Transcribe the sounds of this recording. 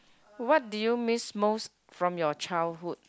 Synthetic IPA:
wɔt̚dujumismos | fɹɔ̃mjɔt͡ʃaɪlɦud

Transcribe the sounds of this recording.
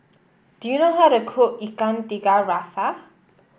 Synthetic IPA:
d̪̥inɔɦaɾəkʰoʔikant̪iɡaɾasa

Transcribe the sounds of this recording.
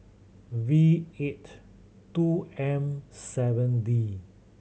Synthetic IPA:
viet | tuɛ̃msɛvə̃ndi

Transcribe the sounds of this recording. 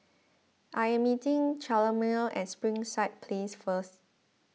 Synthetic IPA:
ʔaɪɛ̃mːitɪ̃ŋt͡ʃaləmilɛ̰̃nspɹĩŋsaɪt̚pʰlesfəst

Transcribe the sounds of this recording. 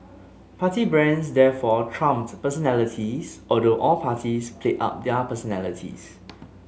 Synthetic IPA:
pʰatibɹɛ̃nsdɛfɔtʰɹãmtpəsɔnɛlitʰisʔɔldoʔɔlpʰatispʰleʔa̰p̚dɛpəsɔnɛlitʰḭs

